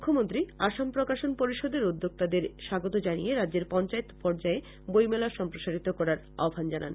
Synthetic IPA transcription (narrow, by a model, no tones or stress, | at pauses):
mukʰːomont̪ɾiaʃampɾokaʃonpoɾiʃod̪eɾud̪ːok̚t̪ad̪eɾʃaɡot̪od͡ʑanijeɾad̪ːd͡ʑeɾpɔnt͡ɕaet̪pɔɾd͡ʑae | bojmɛlaʃɔmpɾoʃaɾit̪okɔɾaɾ | a̰bʱand͡ʑana̰n